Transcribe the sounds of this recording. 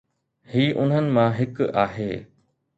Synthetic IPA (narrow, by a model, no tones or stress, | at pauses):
hiːʔʊn̤ɦənɪ̆mãɦɪkaːɦeː